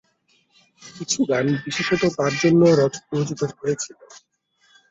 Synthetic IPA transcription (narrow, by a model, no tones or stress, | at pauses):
kit͡ɕʰuɡanbiʃiʃot̪ok̪aɾd͡ʑonːoɾɔtpod͡ʑukoɾɦojet͡ɕʰilo